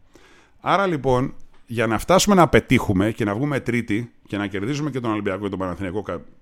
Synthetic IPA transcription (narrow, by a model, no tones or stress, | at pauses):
ɐɾɐlipo̞nʝɐnɐft̪ɐsume̞nɐpe̞t̪ixume̞ce̞nɐvɣume̞t̪ɾit̪i | ce̞nɐce̞ɾðizume̞ce̞t̪o̞nɐlibiɐko̞ce̞t̪obɐnɐθiniɐko̞kɐ